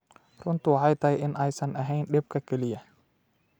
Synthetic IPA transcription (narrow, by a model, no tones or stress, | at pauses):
rʊnt̪ʊwɑħɑjt̪ʰɐjʔɪnʔɛjsɐnʔɐɦɛjnɗɛb̚kʰɐkʰɛlɪjɐ